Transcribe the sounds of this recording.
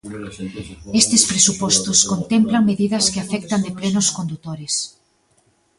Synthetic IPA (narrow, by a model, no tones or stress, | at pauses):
est̪ɪspɾesupɔst̪ʊskont̪emplɐŋmeðiðɐskɪafɛk̚t̪ɐnd̪ɪplenʊskond̪ut̪oɾɪs